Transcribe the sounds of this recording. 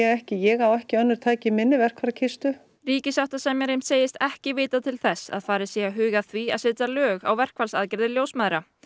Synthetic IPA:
ɛɣɛhcɪjɛɣawɛhcɪœnːʏɾ̥t̪ʰaːcɪmɪnːɪvɛr̥kʰvaɾcʰɪst̪ʏ | ɾiːcɪsawht̪asɛmjɛɾejm̥seːjɪst̪ɛhcɪvɪːt̪at̪ʰɪlθɛsːa̰ðfaːɾɪsɛaɦʏːɣaθvia̰ðsɪːt̪alœːɣa̰wvɛr̥kvalsaːðcɪɾðɪɾljowsmaːðɾa

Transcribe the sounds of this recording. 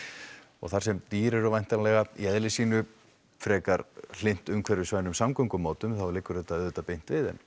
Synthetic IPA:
ɔ̰ɣθaɾsɛmt̪iːɾɛɾɔvajnt̪anlɛɣaḭɛðlɪsiːnʏ | fɾɛːkaɾl̥ejn̥t̪ʏmkʰvɛɾɪsvaːjnʏmsamkɔŋkʏmoːt̪ʏmθawlɪkːʏɾ̥θɛt̪ːaɛðɛt̪ːapejn̥t̪vɪðɛ̰n

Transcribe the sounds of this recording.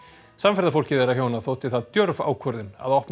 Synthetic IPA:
samfɛɾðafowl̥cɪðejɾaçjawnaðθoːwt̪ɪθaðt̪jœɾva̰ːwkʰvɔɾðɪna̰ðɔhpn

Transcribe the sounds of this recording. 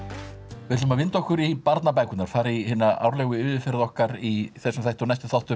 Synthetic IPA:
vɪðʏmavɪnt̪ɔhkʏɾipaɾt̪nap̬aːjkʏt̪naɾ̥faːɾɪihɪːnaa̰wɾlɛɣʏʏðɪfɛɾðɔhkaɾiθɛsɛmθajht̪ɔnajst̪ʏ̥θawht̪ʏ

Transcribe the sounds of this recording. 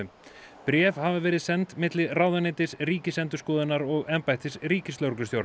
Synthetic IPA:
ʏ | pɾjɛːvhavɪvɛːɾɪðsɛnt̪mɪt̪lɪraːwðanɪːt̪ɪsriːcɪsɛnt̪ʏskɔːðɪnaɾɔɣɛmpajht̪ɪsriːcɪst̪owɾklʏst̪jowɾ

